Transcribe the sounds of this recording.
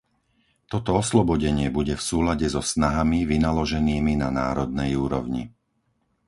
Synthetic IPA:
t̪ɔt̪ɔɔslɔbɔɟɛɲɪɛbuɟɛfsuːlaɟɛzɔsnaɦamiʋinalɔʒɛniːminana̰ːɾɔd̪̚nɛjuːɾɔ̰ʊɲḭ

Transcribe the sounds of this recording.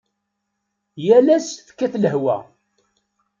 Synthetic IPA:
jælæsfkːæθləhwæ̰

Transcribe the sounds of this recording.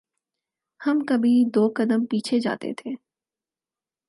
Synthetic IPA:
hɐmkɐbʱid̪oːkɐd̪əmpiːt͡ʃʰed͡ʒa̰ːt̪ḛt̪ʰeː

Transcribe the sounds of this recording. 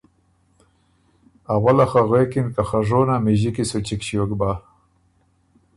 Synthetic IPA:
awalaxaɣekinkaxaʐonamiʑikisut͡ʃikɕjokba

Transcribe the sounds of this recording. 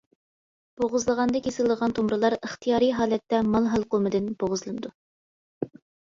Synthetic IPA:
b̥oʁʊzlˠəʁɑnd̪ɑkʲesɪlˠd̪əʁɑnt̪ʰomɾɨlˠɑɾəχt̪ʰijɑːɾijɦɑːlɛt̪ːɛmɑlˠɦɑlˠqomɨd̪ɪnb̥oʁʊzlˠɨnɨd̪u

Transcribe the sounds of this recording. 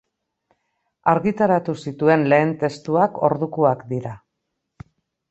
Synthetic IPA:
aɾɣit̪aɾat̪usit̪ue̞nle̞ːnt̪e̞st̪uako̞̰ɾðukuakd̪iɾa

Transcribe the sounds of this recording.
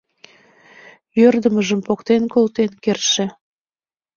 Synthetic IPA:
jørd̪əməʒəmpokt̪enkolt̪enkerʃĕ

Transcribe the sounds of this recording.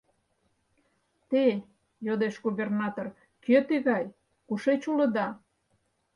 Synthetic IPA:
t̪e | jod̪eʃɣuβernɑt̪or | køt̪iɣɑj | kuʃet͡ɕulə̆d̪ɑ

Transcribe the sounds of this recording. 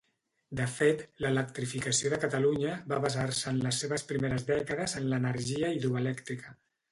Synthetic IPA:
d̪əfet̪lələkt̪ɾifikəsioðəkət̪əluɲəβaβazarsəːnləsːeβəspɾimeɾəzðɛkəðəzənlənəɾʒiəiðɾuəlɛkt̪ɾikə

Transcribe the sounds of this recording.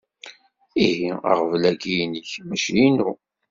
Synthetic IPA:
iɦiə̰ʁvlæɡijniçmæʃjinu

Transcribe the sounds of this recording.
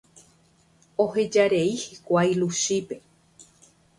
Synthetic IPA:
o̞he̞d͡ʒaɾe̞ihikʷajluʃipe̞

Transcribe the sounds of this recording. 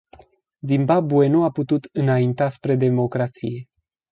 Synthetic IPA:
zimbabuenoaput̪ut̪ɨnaint̪aspɾe̞d̪e̞mo̞kɾat̪sḭje̞

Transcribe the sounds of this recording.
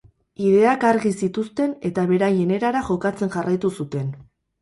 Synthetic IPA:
iðe̞akaɾɣisit̪ust̪e̞ne̞t̪aβ̞e̞ɾajene̞ɾaɾaʝo̞kat͡se̞nʝarajt̪usut̪e̞n

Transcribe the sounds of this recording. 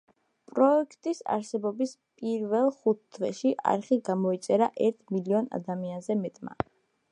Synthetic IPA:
pʼɾɔɛkʰt̪ʼisa̰ɾsɛbɔbispʼiɾvɛlˠχut̪ʰːvɛʃiʔa̰ɾχiɡamɔit̪sʼɛɾaʔɛɾt̪ʰmiliɔna̰d̪amianzɛmɛt̪ʼma̰

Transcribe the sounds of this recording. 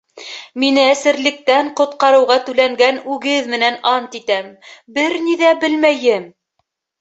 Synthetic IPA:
minɘæsɘ̆ɾlɘ̆k̚t̪æɴqŏt̪̚qɑɾɤ̆wʁɑt̪ʉlæŋɡænʉɡɘðmɘ̆nænɑnt̪it̪æmbɘɾniðæbɘlmæjɘm

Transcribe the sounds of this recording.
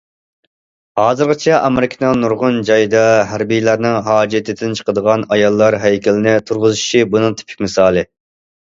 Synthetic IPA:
hɑːzɨɾʁɨt͡ʃʰɛʔɑmɪɾɪkʲʰɪnɨŋnuɾʁʊnd͡ʒɑjd̪ɑɦæɾbijlæɾnɪŋɦɑːd͡ʒɛt̪ʰɪd̪ɪnt͡ʃʰə̥qəd̪əʁɑnɑjɑlˠːɑɾɦɛjkʲʰɪlɪnɪt̪ʰuɾʁʊzɪʃibunɨŋt̪ʰɪ̥pʰɪ̥kʲmɪsɑːlˠɨ

